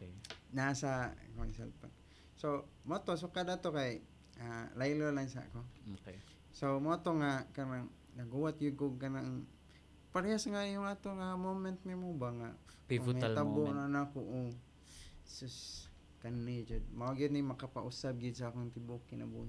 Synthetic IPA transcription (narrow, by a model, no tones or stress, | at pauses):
nasakoŋsɛ̰lpa̰k | somot̪os̬ukad̪at̪okaj | alajlolaŋsa̰ko | somot̪oŋakanaŋ | naɡuwat̪̚jʊɡʊɡkanaŋ | paɾjasŋajʊŋat̪oŋamomɛnt̪nimobaŋa̰ | aabonaanakʊʔu | sʊs | kanːid͡ʒod̪̚maoɡɪd̪̚nimakapaʔusab̚ɡɪd̪saakoŋt̪ibukina̰bṵ